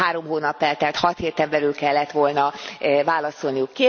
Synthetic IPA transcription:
aːɾo̞mɦoːnɒpːɛlt̪ɛat̪hɒt̪heːt̪ɛmbɛlylkɛlːɛt̪ʋo̞lnɒvaːlɒso̞lnijukːeː

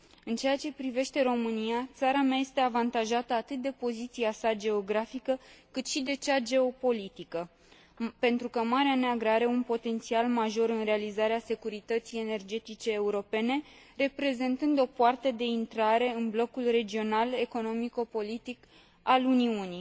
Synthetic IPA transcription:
ɨnt͡ʃe̞jat͡ʃe̞pɾive̞ʃt̪e̞ɾo̞mɨnijat̪saɾameaje̞st̪e̞avant̪aʒat̪əat̪ɨt̪̚d̪e̞po̞zit̪siasad͡ʒe̞o̞ɡɾafikəkɨt̪ʃid̪e̞t͡ʃad͡ʒe̞o̞po̞lit̪ikə | pe̞nt̪ɾukəmaɾeaneaɡɾaɾeunpo̞t̪e̞nt̪sialmaʒo̞ɾɨnre̞alizaɾease̞kuɾit̪ət̪sije̞ne̞rd͡ʒe̞t̪it͡ʃe̞ːuɾo̞pe̞ne̞ | re̞pɾe̞ze̞nt̪ɨnd̪o̞poart̪e̞d̪e̞int̪ɾaɾe̞ɨnblo̞kulre̞d͡ʒio̞nale̞ko̞no̞miko̞po̞lit̪ik | aluniuni

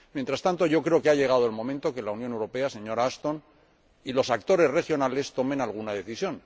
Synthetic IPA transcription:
mjent̪ɾast̪ant̪oʝo̞kɾe̞o̞keaʎe̞ɣ̞að̞oelmõ̞mẽnt̪o̞ke̞launjone̞wɾo̞pe̞ase̞ɲo̞ɾaast̪o̞n | ilo̞sak̚t̪o̞ɾe̞zre̞xjo̞nale̞st̪o̞mẽ̞nalɣunaðe̞θisjo̞n

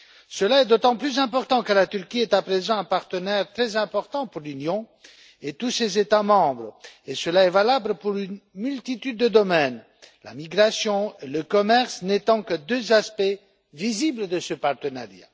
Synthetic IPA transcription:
səlaɛd̪ot̪ɑ̃plyzɛ̃pɔʁt̪ɑ̃kəlat̪yʁkʲiɛt̪apχezɑ̃ɛ̃paʁt̪ənɛʁt̪χɛzɛ̃pɔʁt̪ɑ̃puʁlynjɔ̃ | et̪usezet̪amɑ̃bʁesəlaɛvalabləpuʁynmylt̪it̪yd̪ːəd̪ɔmɛn | la̰miɡʁasjɔ̃eləkɔmɛʁsnet̪ɑ̃kəd̪øzaspɛ | vizibləd̪əsəpaʁt̪əna̰ʁja̰

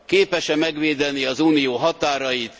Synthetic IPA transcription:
keːpɛʃɛmɛɡʋeːd̪ɛniɒzuːnijoːɦɒt̪aːɾɒjit̪

